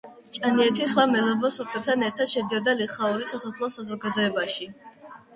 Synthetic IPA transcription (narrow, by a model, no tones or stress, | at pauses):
t͡ʃʼaniɛt̪ʰisχwamɛlɔbɔsɔpʰlɛp̚t̪ʰanɛɾt̪ʰad̪̥ʃɛd̪iɔd̪aliχauɾisasɔpʰlˠɔsazɔɡad̪ɔɛbaʃi